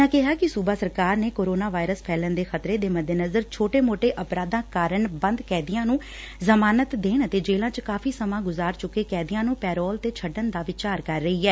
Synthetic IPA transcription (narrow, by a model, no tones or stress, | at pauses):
ãːkɪɦaːkɪsuːbaːsəɾkaːɾneːkoːɾoːnaːʋaːɪɾəspʰɛːlənd̪eːxʰət̪ɾeːd̪eːməd̪ʱeːnəzəɾt͡ʃʰoːʈeːmoːʈeːʔəpɾaːd̪ãːkaːɾəɳbə̃nd̪kɛːd̪ɪjãːnũː | zəmaːnət̪d̪eːnt̪eːd͡ʒeːlãːt͡ʃkaːfʰiːsəmãːɡʊzaːɾt͡ʃʊkːeːkɛːd̪ɪjãːnũːpɛːɾɔːlt̪eːt͡ʃʰəɖənd̪aːʋɪt͡ʃaːɾkəɾːəiːɦɛː